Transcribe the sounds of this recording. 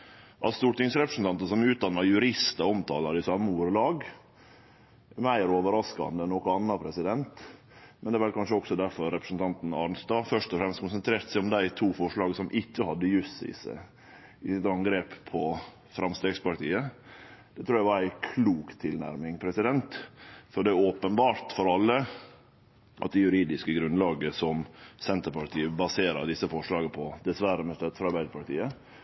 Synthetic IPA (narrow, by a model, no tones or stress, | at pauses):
ʔɑt̪st̪uːʈ̪ɪŋsɾɛpɾəsn̩t̪ʰɑnt̪əsɔmʉːt̪̚d̪ɑnːɑjʉɾɪst̪ɑɔmt̪ʰɑ̰ːlɑɾɪsɑmːəuːɾəlɑːɡ | mæɪɾoːʋəɾɑskɑ̰nd̪ənɔkəɑnːɑpʰɾɛsɪd̪ɛnt̪ | mɛnd̪ɛːʋɛlkʰɑnʂəɔksɔd̪æɾfɔɾːɛpɾə̥sn̩t̪ɑnt̪n̩ɑɾnst̪ɑːfœʂt̪ɔfɾɛmst̪kʊnsənt̪ʰɾeːɾt̪sæɪɔmd̪æɪt̪ʰuːfɔʂɭɑːɡsɔmʔɪçːəhɑd̪ːəjʉsɪ̰sə̰ | ɪsɪt̪ɑŋɡɾeːppʰːɔ | fɾʔɑmst̪eːɡspɑɾt̪iːəd̪̥ɛt̪ʰɾuːɾjæɪʋɑɾæɪkʰluːkt̪ʰːɪlnæ̰ɾmɪŋpʰɾɛsɪd̪ɛnt̪fɔɾɖ̪ɛɔːpənbɑːɾt̪fɔɾɑlːə | ʔɑ̰t̪̚d̪ɛjʉɾiːd̪ɪskəɡɾʉnlɑːɡəsɔmsɛnt̪əɾpɑɾʈ̪ʰiːəbɑseːɾə̰ɾd̪ɪsːəfɔʂɭɑːɡəpʰɔd̪ɛsʋæɾəmɛst̪ɛt̪fɔɾɑɾbæɪd̪əɾpʰɑʈ̪ḭːə